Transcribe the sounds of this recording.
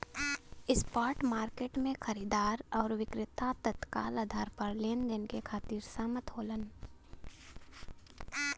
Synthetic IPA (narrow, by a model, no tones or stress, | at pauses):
ɪspaːɾʈmaːɾkeːʈmẽxɐɾiːd̪aːɾɔːɾʋɪkɾɪt̪at̪ət̪ka̰ːlad̪ʱaːɾpəɾleːnd͡ʒ̪ɪnkekʰaːt̪iːɾsamət̪ɦoːlən